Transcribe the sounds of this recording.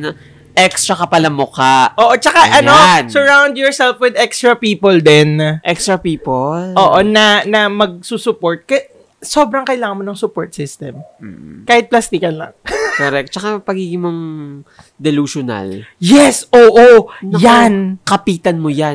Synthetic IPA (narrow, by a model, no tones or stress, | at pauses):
nɐ | ʔɛkst̪ɹɐkɐpɐlamʊkaʔʔoːʔot͡ʃɐkaʔɐnosɛɹawnd̪jɔɹsɛlfwɪd̪ɛkst̪ɹɐpiːpold̪ɛnʔɛkst̪ɹɐpiːpolʔoːʔonɐnɐmɐɡ̚suːsʊpo̞ɹt̪̚kɐ | soːbɾɐŋkɐʔɪlaːŋɐnmonɐŋsʊpoɹt̪sɪst̪ɛm̩ːkaːhɪt̪̚plɐst̪ikɐnlɐ̰ŋkɔɾɛk̚t̪̚t͡ʃɐkapɐɡiːɡɪŋmoŋ | d̪ɛluʃʊna̰ljɛsʔoːʔojankɐpiːt̪ɐnmoja